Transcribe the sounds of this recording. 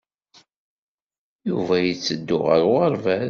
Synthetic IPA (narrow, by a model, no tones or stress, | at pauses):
juvæjət͡sːəd̪ːʊʁə̰ɾʁəɾˤvæ